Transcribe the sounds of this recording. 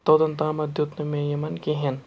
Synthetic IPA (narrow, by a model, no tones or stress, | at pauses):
t̪od̪ɐnt̪amɐd̪ʱjut̪nmẽjɐmɐnkiɦen